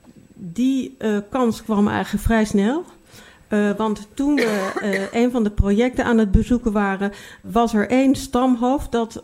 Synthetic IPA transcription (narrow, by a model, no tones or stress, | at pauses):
dikɑnskʋɑmɛ̰jχələkfrɛjsnɛlˠ | ʋɑnttunʋəʔejnvɑndəprojɛk̚tənaːnɦəd̚bəzukənʋaːrənʋɑsɛɹʔejnstɑmɦowfdɑt